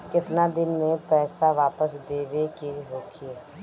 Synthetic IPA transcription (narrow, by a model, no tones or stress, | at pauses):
kɪt̪nad̪ɪnmẽpɛːsaʋaːpəsd̪eːʋekeɦoːkʰi